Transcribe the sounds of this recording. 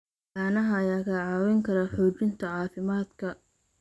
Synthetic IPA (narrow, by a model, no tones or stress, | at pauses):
aːnɐɦɐjaːɣaːʕɑːwɛŋkʰɐɾɐħɔːt͡ʃɪnt̪ʰɐʕɑːfɪmaːd̪kʰɐ